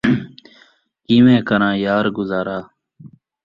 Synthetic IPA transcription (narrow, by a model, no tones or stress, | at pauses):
kiːʋẽːkəɾãːjaːɾɡʊzaːɾaː